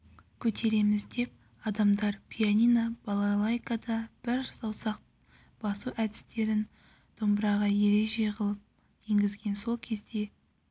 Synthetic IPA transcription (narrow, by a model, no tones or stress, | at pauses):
kʲʰɵt̪ʰe̞ɾe̞mɪzd̪e̞p̚ | ɑd̪ɑmd̪ɑɾpʲʰijanʲijnab̥alˠalˠajkad̪ɑb̥ɪɾsɑwsɑq | b̥ɑsuʔæd̪ɪst̪e̞ɾɪn | d̪̥ʰombɾɑʁɑje̞ɾe̞ʒe̞qʰəlˠəp̚ | je̞ŋɡʲɪzɡʲe̞nso̞lˠkʲʰe̞zd̪e̞